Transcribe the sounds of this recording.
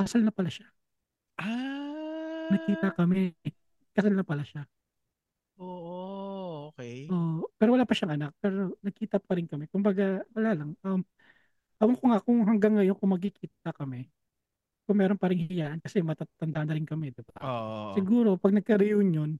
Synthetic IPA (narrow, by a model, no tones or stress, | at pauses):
kɐsalnɐpɐlaʃḁ | ʔa | nɐkiːt̪ɐkɐmɛ | kɐsalnɐpɐlaʃa | ʔoːʔoʔokɛjʔoːʔpɛːɾowɐlaːpɐʃaŋʔɐnak̚pɛːɾo̞nɐɡ̚kiːt̪ɐp̚kɐɾɪnkɐmɛkʊmbaɡawɐlalɐŋʔɐm | ʔɐwɐŋkoŋakʊŋɦɐŋɡaŋːɐjonkʊmɐɡk̬ikiːt̪̚ɐkɐmɛ | kʊŋmɛːɾonpɐɾɪŋhɪjaːʔɐnkɐsɛmɐt̪at̪ɐnd̪aʔɐnɐɾɪnkɐmɛd̪ɪbaosɪɡuːɾo̞pɐɡ̚nɐɡ̚kɐɾɪjoɲjo̞n